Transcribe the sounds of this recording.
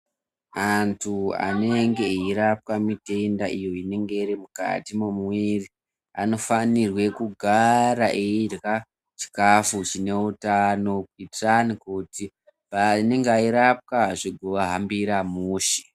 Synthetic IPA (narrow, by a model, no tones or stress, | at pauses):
antʰua̰ne̞ŋɡe̞iɾap̚kamite̞ndaʔijo̞ine̞ŋɡe̞iɾimuka̰timumwiri | ano̞fanirwe̞kuɡʱaɾaʔeirka | t͡ʃi̥kafut͡ʃine̞utano̞kitranikuti | pane̞ŋɡeaiɾap̚kaʐiɡʱoʋaɦambiɾamuːʃi̥